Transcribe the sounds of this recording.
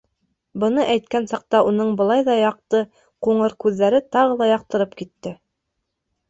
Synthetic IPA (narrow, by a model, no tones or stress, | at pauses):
bɤ̆nɤʔæjt̪kænsɑq̚t̪ɑunɤɴbɤ̆lˠɑjðɑjɑq̚t̪ɤ | quɴɤɾkʉðːæɾɘt̪ɑʁɤlˠɑjɑq̚t̪ɤ̆ɾɤpkit̪ːɘ